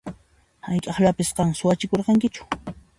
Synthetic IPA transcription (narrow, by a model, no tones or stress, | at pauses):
hajkʼɑχʎapɪsqɑŋsʊwat͡ʃɪkoɾqɑŋkɪt͡ʃʊ̥